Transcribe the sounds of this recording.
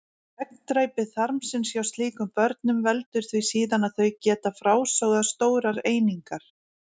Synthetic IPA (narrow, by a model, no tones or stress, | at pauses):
ɛk̚nt̪ɾajpɪðθaɾmsɪnsjawst̪liːkʏmpœɾt̪̚nʏmvɛlt̪ʏɾ̥θvisiːðanaðθœɥjcɛːt̪afɾaːwsaɣðast̪oːwɾaɾeːjniŋkaɾ̥